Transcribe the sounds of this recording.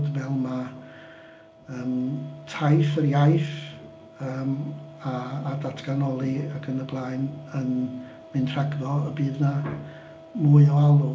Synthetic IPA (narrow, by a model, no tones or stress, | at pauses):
dvɛlˠma | əːmtʰajθərjajθ | əːmaːdatʰɡ̥anɔlˠiakʰənəblˠaːjnən | mɨntʰraɡðɔəbiːðna | muːɨɔalˠu